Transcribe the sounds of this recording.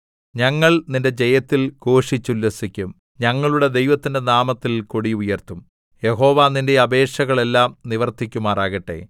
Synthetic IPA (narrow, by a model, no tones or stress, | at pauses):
ɲɐŋːɐɭninde̞d͡ʑe̞jɐt̪ːilko̞ːʂit͡ɕːulːɐsikʲːum | ɲɐŋːɐɭuɽe̞d̪e̞jʋɐt̪ːinde̞naːmɐt̪ːilkuɽiujɐrt̪um | je̞ho̞ːʋaːninde̞ɐbe̞ːʂɐɣɐɭe̞lːaːmniʋɐrt̪ikʲːumaːraːɣɐʈːe̞̰ː